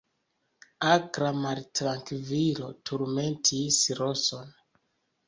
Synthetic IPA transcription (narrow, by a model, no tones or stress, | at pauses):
akɾamaɾtɾaŋkvilo̞tuɾmentʰisɾoso̞n